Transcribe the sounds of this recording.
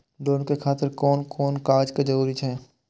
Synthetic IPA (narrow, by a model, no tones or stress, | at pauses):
ɖoːnkekʰaːt̪əɾkoːnkoːnkaːd͡ʒkad͡ʒəɾuːɾit͡ʃʰɛː